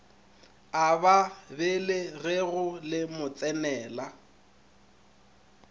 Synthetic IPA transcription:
ababɪlɪɣɛɣʊlɪmʊt͡sʼɛnɛːla

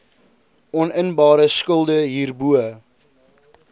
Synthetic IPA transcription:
ɔnənbɑːɾəskəlˠdəɦiːrbuə

